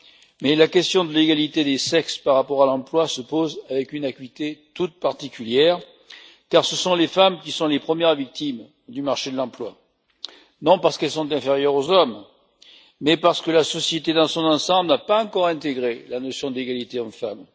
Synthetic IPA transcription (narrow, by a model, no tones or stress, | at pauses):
mɛlakʲɛst̪jɔ̃d̪əleɡalit̪ed̪esɛkspaʁːapɔʁalɑ̃plwasəpozavɛkynakɥit̪et̪ut̪̚paʁt̪ikʲyljɛʁ | kaʁsəsɔ̃lefamkʲisɔ̃lepχəmjɛʁvik̚t̪im | d̪ymaʁʃed̪əlɑ̃plwa | nɔ̃paʁsə̥kɛlsɔ̃t̪̬ɛ̃feʁjœʁozɔmː | ɛpaʁsə̥kəlasɔsjet̪ed̪ɑ̃sɔ̃nɑ̃sɑ̃blənapaɑ̃kɔʁɛ̃t̪eɡʁelanɔsjɔ̃d̪eɡalit̪eɔmfam